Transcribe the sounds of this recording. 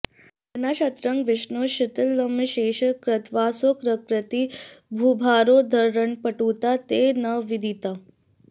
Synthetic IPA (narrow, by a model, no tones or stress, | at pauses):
ɐnaɕɐt̪ɾəŋʋɪʂnoɕit̪əlːəmɕeːɕəkɾət̪ʋaːsokɾəkɾət̪ibʱubʱaːɾod̪ʱəɾɾəɳpəʈuːt̪at̪enəʋid̪ʱit̪a